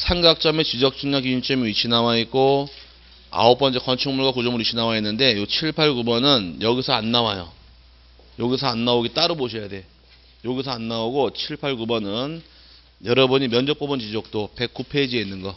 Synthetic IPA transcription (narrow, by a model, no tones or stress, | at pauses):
sʰaŋɡak̚t͡ɕ͈ʌme̞t͡ɕid͡ʑʌk̚t͡ɕʰiŋɲakiint͡ɕ͈ʌmiit͡ɕʰinawait̚k͈o | a̰op͈ʌnt͡ɕʰekʌnt͡ɕʰuŋmuɭɡwakud͡ʑʌmɯɾit͡ɕʰinawainːɯnde̞jot͡ɕʰiɭpʰaɭɡubʌnɯnjʌɡisʰʌanːawajo̰ | joɡisʰʌanːaoɡit͈aɾɯboɕʰʌjade̞ | joɡisʰʌanːaoɡot͡ɕʰiɭpʰaɭkubʌnɯn | jʌɾʌbuɲimjʌnd͡ʑʌk̚p͈ʌbɯnt͡ɕid͡ʑʌk̚t͈ope̞k͈upʰed͡ʑienːɯnɡʌ